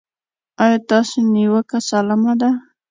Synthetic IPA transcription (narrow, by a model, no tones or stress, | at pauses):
ɑjɑt̪ɑsoniwəkasalamad̪a